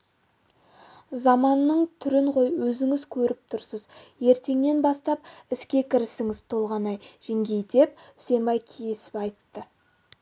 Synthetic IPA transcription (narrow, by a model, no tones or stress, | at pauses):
zɑmɑnːəɴt̪ʰʏɾɪɴqo̞jwɵzɪŋɪzkʲʰɵɾɪp̚t̪ʰʊɾsəzje̞ɾt̪e̞ŋne̞nbɑst̪ɑpɪskʲe̞kʲʰɪɾɪsɪŋɪz̥t̪ʰo̞lˠʁɑnɑjʒ̥ɪŋɡʲe̞jd̪e̞p̚ʏ̥se̞mbɑjkʲʰijesɪ̥pɑjt̪ːə